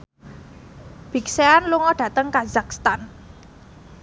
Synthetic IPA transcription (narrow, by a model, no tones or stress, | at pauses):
b̥i̤kseanluŋɔɖ̥ä̤t̪əŋkazak̚st̪an